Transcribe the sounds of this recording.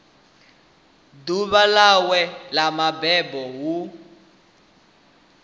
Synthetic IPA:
duβalawɛlamabɛbɔɦu

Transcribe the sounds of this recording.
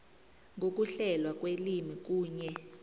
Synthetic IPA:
ŋʱok̬uɬɛlwak̬ʼwelimik̬ʼuːɲɛ

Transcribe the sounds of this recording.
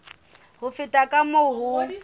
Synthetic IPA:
ɦʊfɪtʼakʼamoɦʊ

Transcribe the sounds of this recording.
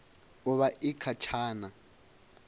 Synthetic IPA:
ʊβaʔɪkʰat͡ʃʰaːna

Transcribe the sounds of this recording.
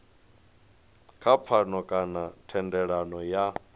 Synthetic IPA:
kʰap̪fʰanɔkʼanatʰɛndɛɺanɔja

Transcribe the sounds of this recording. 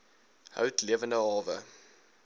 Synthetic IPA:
ɦœ̰wtliəvəndəɦɑːvə̰

